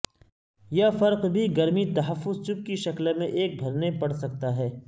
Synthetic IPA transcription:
jɐfɐɾqbʱiɡɐɾmit̪ɐɦɐfːʊzt͡ʃʊk̚kiʃɐklmẽʔeːk̚bʱɐɾnepɐɽsɐk̚t̪aɦɛː

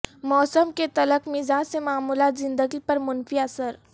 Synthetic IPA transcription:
mɔːsəmket̪ɐləkmɪzaːd͡ʒsemaːmuːlaːt̪zɪ̃nd̪əɡipɐɾmʊnfiɐsəɾ

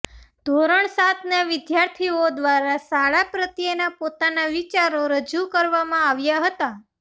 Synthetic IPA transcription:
d̪̥ʱoɾəɳsat̪naʋɪd̪jaɾt̪ʰiod̪ʋaɾasaɭapɾət̪jenapot̪anaʋit͡ʃaɾoɾəd͡ʒukəɾʋamãaʋjaɦət̪a

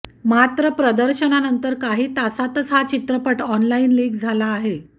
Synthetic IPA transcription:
mat̪ɾəpɾəd̪əɾɕənanənt̪əɾkaɦiːt̪asat̪ət͡sɦat͡ɕit̪ɾəpəʈɔnlainliːkd͡zʱalaːɦe

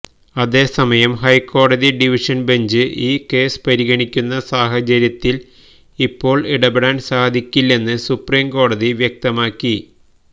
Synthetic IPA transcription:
ɐðe̞ːsɐmɐjɐmɦɐjko̞ːɽɐðiɖiʋiʂɐnbe̞ɲd͡ʑɨʔiːke̞ːspɐɾiɣɐɳikʲːunːɐsaːɦɐt͡ɕɐɾjɐt̪ːil | ipːo̞ːɭiɽɐbeɽaːnsaːd̪ʱikʲːilːe̞nːɨsupriːmko̞ːɽɐðiʋjɐk̚t̪ɐmaːkːi

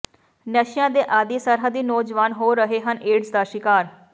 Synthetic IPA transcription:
nɛʃɪjãːd̪eːʔaːd̪iːsəɾɦəd̪ːiːnoːd͡ʒʋaːnɦoːɾəɦeːɦənʔeːɖsd̪aːʃɪkaːɾ

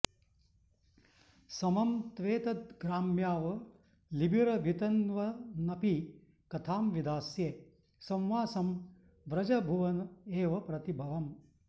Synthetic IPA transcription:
sɐmɐmt̪ʋeːt̪ɐt̪̚ɡɾaːmjaːʋɐ | libʱiɾɐɡʱit̪ɐnʋɐnɐpi | kɐt̪ʰaːmʋid̪aːsjeː | sɐ̃wʋaːsɐm | ʋɾɐd͡ʒɐbʱuʋɐneːʋɐpɾɐt̪ibʱɐʋɐm

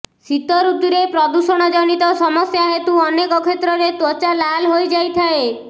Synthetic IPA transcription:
sit̪ɔɾud̪uɾepɾɔd̪usɔɽ̃ɔd͡ʒɔñit̪ɔsɔmɔsjaɦet̪uɔnekɔkʰet̪ɾɔɾet̪wɔt͡ʃalalɦojd͡ʒajt̪ʰae

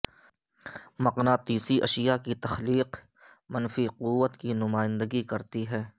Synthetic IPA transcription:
mɐqnat̪iːsiʔɐʃijakit̪ɐxliːq | mɐnfiqʊwːət̪kinʊmaːɪ̃nd̪əɡikɐɾt̪iɦɛː

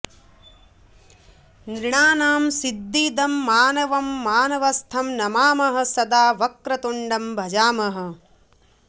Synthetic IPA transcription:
nɾiɳaːnaːmsid̪ːiːd̪ɐmːaːnɐʋɐmːaːnɐʋɐst̪ʰɐmnɐmaːmɐɦɐ̆sɐd̪aːʋɐkɾɐt̪uɳɖɐmbʱɐd͡ʒaːmɐɦɐ̆

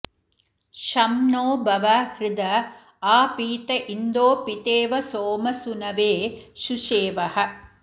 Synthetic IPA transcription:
ʃɐmnoːbɐʋaːhɾɪd̪ɐ | aːpiːt̪ɐʔind̪oːpit̪eːʋɐsoːmɐsunɐʋeːʃuʃeːʋɐhɐ̆

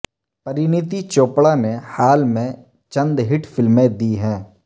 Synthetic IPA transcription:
pɐɾɪnɪt̪it͡ʃoːpɽanehaːlmẽ | t͡ʃə̃nd̪ɦɪʈfʰɪlmẽd̪iɦɛ̃ː

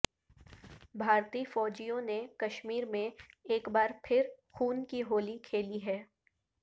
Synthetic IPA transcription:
bʱaːɾt̪iːfɔːd͡ʒijõnekɐʃmiːɾmẽeːkbaːɾpʰɪɾxuːnkiɦoːlikʰeːliɦɛː

